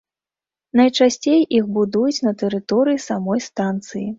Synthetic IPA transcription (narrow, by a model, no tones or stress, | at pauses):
nɐjt͡ʂasʲt͡sʲejʔixbud̪ujut͡sʲnɐt̪ɛɾɨt̪ɔɾɨjisamɔjst̪ant̪sɨji